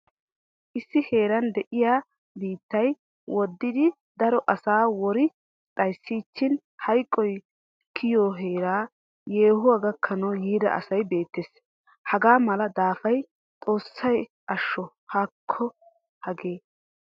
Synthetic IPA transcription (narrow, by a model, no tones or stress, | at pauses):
ʔɪsːɪhe̞ːɾɐnd̪ɛʔɪjaː | biːt̪ːɐj | wɔd̪ːɪd̪ɪ | d̪ɐɾɔʔɐsaːwɔɾɪ | t̪ʼɐjsːiːt͡ʃːɪn | hɐjkʼːɔj | kʰɪjoːɦe̞ːɾaː | jeːhʊwɐɡɐkʰːɐnɐwjiːd̪ɐ̰ʔɐ̰sɐjbe̞ːt̪ːeːs | hɐɡaːmɐlɐd̪aːfɐj | t̪ʼo̞ːsːɐj | ʔɐʃːɔ | haːkʰːɔ | hɐɡe̞ː